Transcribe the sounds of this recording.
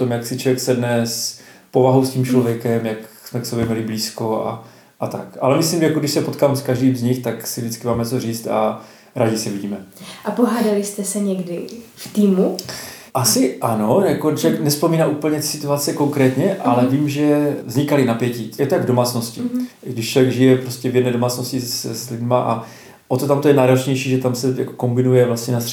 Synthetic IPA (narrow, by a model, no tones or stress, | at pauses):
t̪omjaksɪt͡ʃovjɛksɛdnɛs | po̞vaɦowscimt͡ʃlovjɛkɛmjaksmɛksobjɛmɲɛlɪbliːsko̞a̰ | ʔat̪akʔalɛmɪslimʒɛjakoɡdɪʃsɛpot̪kaːmskaʒdiːmzɲɪxt̪aksɪvdɪt͡skɪmaːmɛt͡so̞riːt͡st̪a̰ | ɾaːɟɪsɪviɟiːmɛʔapoɦaːdalɪst̪ɛsɛɲɛɡdɪft̪iːmuʔasɪʔano̞jakot͡ʃojɛknɛspo̞miːnaːʔuːpl̩ɲɛt̪sɪt̪uat͡sɛko̞ŋkɾɛːt̪ɲɛʔalɛviːmʒɛvzɲɪkalɪnapjɛcijɛt̪ojaɡvdomaːt͡sno̞scɪɡdɪʃt͡ʃlovjɛɡʒɪjɛpɾoscɛvjɛdnɛːdo̞maːt͡snoscɪsslɪdmaʔa̰ | ʔot̪ot̪amt̪ojɛnaːɾo̞t͡ʃɲɛjʃiːʒɛt̪amsɛja̰ko̥ko̞mbɪnujɛvlastɲɛnas